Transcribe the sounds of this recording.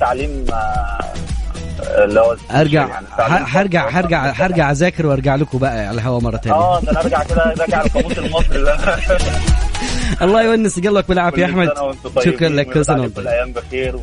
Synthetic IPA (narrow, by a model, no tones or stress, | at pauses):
t̪ːaʕliːm | elːihowæʔɑɾˤɡaʕnːaʕħɑɾˤɡaʕɦɑɾˤɡaʕɦɑɾˤɡaʕzæːkeɾweʔɑɾˤɡaʕlekobæʔæʕalæɦæwæmɑrˤːɑt̪æːæːæʔɑɾɡaʕked̪ælɡaʕalkɑmuːselmɑsˤɾilæ | ʔɑlˤːɑːjewænːeseɡælwæk̚belʕafiʔaħmæd̪nwent̪ˤɑʃokɾˤɑnlːækːosænwent̪lʔæjːæːmbexiːɾw